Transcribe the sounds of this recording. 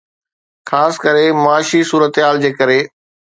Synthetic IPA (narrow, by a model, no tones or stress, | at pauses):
xaːskɐɾemaːʃisuːɾət̪ɦaːld͡ʑeːkɐɾeː